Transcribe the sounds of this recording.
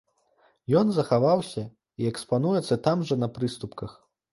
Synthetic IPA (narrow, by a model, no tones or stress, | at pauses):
jɔnzɐxavawsʲɐ | iɛkspanujɛt̪sːɐt̪amʐɐnɐpɾɨst̪upkɐx